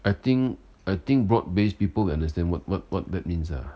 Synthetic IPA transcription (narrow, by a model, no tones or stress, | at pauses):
ajt̪ĩŋ | ajt̪ĩŋk̚bɹɔd̚bespipəlwiãndəs̬tɛ̃nwɔt̚wɔt̚wɔ̰t̚dɛt̚mĩnsa̰